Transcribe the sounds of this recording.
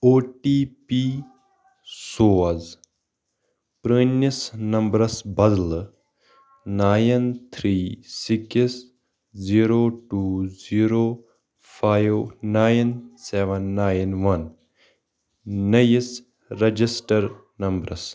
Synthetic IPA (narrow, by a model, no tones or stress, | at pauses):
oːʈiːpiː | soːɐz | pɾəːnisnɐmbɾɐsbɐd̪l | naːjnt̪ʰɾiːsikis | ziːɾoːʈuːziːɾoː | pʰaːjʋnaːjnseʋɐnːaːjnʋɐn | nɐjis | ɾɐd͡ʒisʈɐɾ | nɐmbɾɐs